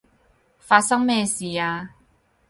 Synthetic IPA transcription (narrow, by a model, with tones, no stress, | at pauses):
fa˧sa˥ŋmɛ˥˧˨si˨˦a˧